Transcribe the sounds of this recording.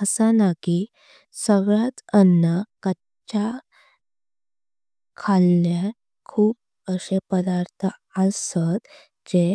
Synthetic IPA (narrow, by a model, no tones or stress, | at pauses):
əsənaki | səɡɭat͡sənːəkə | t͡ɕa | kʰalnja | kʰuːp̚ | əɕepəd̪aɾt̪ʰə | asət̪ | d͡ʑe